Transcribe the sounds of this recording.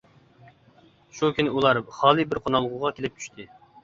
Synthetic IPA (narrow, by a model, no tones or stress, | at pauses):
ʃukʲʰynɪulˠɑɾχɑːlˠɨbɪɾqʰonɑlˠʁʊʁɑkʲʰelɪp̚t͡ʃ̪ʰy̥ʃt̪ʰɪ